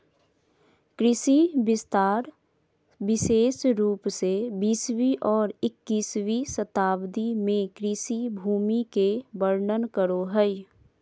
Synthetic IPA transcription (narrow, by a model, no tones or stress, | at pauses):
kɾɪsibɪst̪aːɾ | bɪʃeːsɾuːpsebiːswiʔɔːɾɪkːiːswisət̪aːbd̪imẽkɾɪsibʱuːmikebəɾnənkəɾoɦɛi